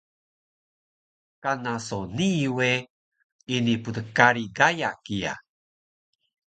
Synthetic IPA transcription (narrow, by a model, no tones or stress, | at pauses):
kanasoniwe | iniputəkaɾiɡajakija̰